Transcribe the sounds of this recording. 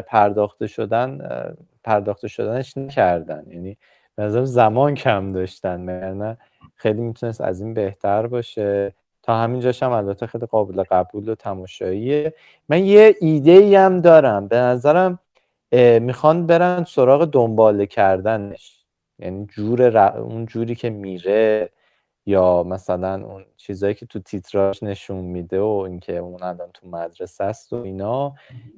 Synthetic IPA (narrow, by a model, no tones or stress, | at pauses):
pʰæɾd̪ɒːxt̪eʃod̪æn | pʰæɾd̪ɒːxt̪ʰe̞ʃo̞d̪æneʃnæcʰæɾd̪æ̰njæniː | b̥enæzæɾæmzæmɒːncʰæmd̪ɒːʃt̪ænmæɟæɾnæ | xejliːmit̪ʰunest̪æ̰ziːnbe̞ht̪ʰæɾbɒːʃe̞ | t̪ʰɒːhæmind͡ʒɒːʃæmælbæt̪ʰːexejliɣɒːbeleɣæbuːlo̞t̪ʰæmɒːʃɒːie | mænjeʔiːd̪e̞iːæmd̪ɒːɾæmbe̞næzæɾæm | mixɒnbe̞ɾænso̞ɾɒːɣe̞d̪o̞mbɒːlecʰæɾd̪æne̞ʃ | jæ̰niːd͡ʒuːɾe̞ɾæṵnd͡ʒuːɾiːcʰe̞miːɾe̞ | jɒːmæsælænṵnt͡ʃʰiːzɒːjiːcʰe̞t̪ʰut̪ʰit̪ʰɾɒʃne̞ʃunmiːd̪eoiŋcʰe̞unælɒːnt̪ʰumæd̪ɾe̞sæst̪oiːnɒː